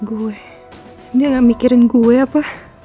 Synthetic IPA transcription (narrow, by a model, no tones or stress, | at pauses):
ɡuɛ | diaŋaʔmikiɾɪnɡuɛapa